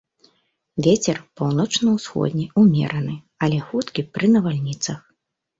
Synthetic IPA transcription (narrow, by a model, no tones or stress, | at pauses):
vʲet͡sʲɛrpawnɔt͡ʂnɐwsxɔ̰d̪ʲnʲiumʲɛ̰ɾɐnɨ | ɐlʲɛxut̪kʲipɾɨnɐvalʲnʲit̪sɐx